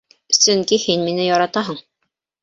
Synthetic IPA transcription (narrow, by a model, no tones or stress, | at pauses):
sɵŋkihinminɘjɑɾɑt̪ɑɦɤɴ